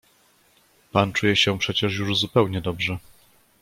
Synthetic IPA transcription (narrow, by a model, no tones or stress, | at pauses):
pant͡ʂujɛɕɛpʂɛt͡ɕɛʂjuʐzupɛwɲɛd̪ɔbʐɛ